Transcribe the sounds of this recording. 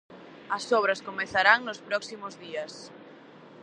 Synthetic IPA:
ɐsɔβɾɐskomeθaɾaŋnʊspɾɔksimʊzðiɐs

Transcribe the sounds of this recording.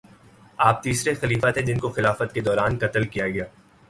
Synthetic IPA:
aːp̚t̪iːsɾexɐliːfat̪ɦɛ̃d͡ʒɪnkoxɪlaːfət̪ked̪ɔːɾaːnkɐt̪əlkijaɡɐjaː

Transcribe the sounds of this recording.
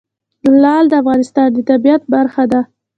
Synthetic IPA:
lɑld̪əafɣɑnɪst̪ɑnd̪ət̪abijat̪̚baɾxad̪a

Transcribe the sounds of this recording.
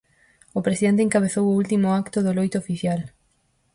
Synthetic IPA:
ʊpɾesiðent̪eŋkaβ̞eθowʊult̪imʊakt̪oðolojt̪oːfiθjal

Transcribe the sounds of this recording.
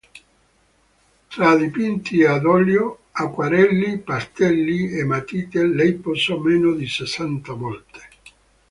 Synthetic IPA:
t̪ɾad̪ipint̪iad̪ɔljo | akːwaɾɛlːipast̪ɛlːiemːat̪iːt̪elɛjposɔmeːnod̪isesant̪amɔlt̪e̥

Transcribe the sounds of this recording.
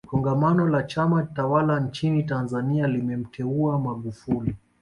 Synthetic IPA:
kʰɔŋɡamanɔlat͡ʃamatawalant͡ʃinitanzanialimɛm̩tʰɛuamaɠufuli

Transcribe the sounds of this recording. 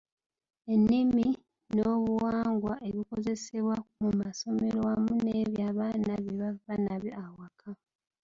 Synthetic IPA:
e̞nːimi | noːβuwaːŋɡwaʔe̞βiko̞ze̞seβwamumaso̞me̞ɾwamuneːβjaːβaːnaβeβaβanaβjoʔawakʰa

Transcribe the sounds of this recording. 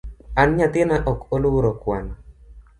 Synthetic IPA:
anɲat̪ɪnaʔɔkoluwoɾokwa̰n

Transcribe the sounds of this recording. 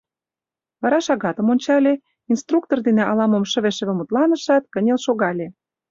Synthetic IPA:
βɑɾɑʃɑɣɑt̪ə̆monʲt͡ɕɑlʲe | inst̪ruk̚t̪ord̪eneʔɑlɑmə̆mʃə̆βeʃə̆βĕmut̪lɑnə̆ʃɑt̪̚kə̆nʲelʃoɣɑlʲe

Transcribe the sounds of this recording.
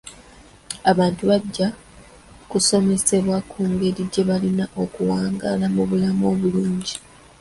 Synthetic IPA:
aβaːntuβaɟːa | kuso̞me̞se̞βwakʰuːŋɡe̞ɾiɟe̞βalinaʔo̞kuwaːŋɡalamuβulamo̞ːβuluːɲɟi

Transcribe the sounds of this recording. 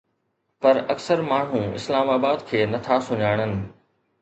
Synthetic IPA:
pɐɾɐksəɾmaːɳ̤ũɪ̰slaːmaːbaːd̪kʰeːnɐt̪ʰasʊɲaːɽ̃ənɪ̆

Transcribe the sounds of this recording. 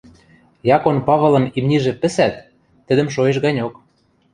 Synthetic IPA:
jɑkonpɑβɤ̆lɤ̆mimnʲiʒĕpɘ̆sæt̪̚ː | ɘ̆d̪ə̆mʃ̬oeʃɣɑnʲok

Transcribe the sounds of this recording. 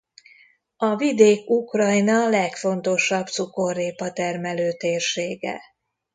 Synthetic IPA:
ɒvid̪eːkukrɒjnɒlɛkfo̞nt̪o̞ʃɒbt̪suko̞rːeːpɒt̪ɛrmɛløːt̪eːrʃeːɡɛ̰

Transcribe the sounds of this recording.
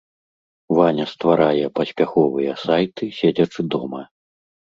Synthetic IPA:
vanʲɐst̪vaɾajɛpɐsʲpʲaxɔvɨjɐsajt̪ɨsʲed͡zʲɐt͡ʂɨd̪ɔmɐ

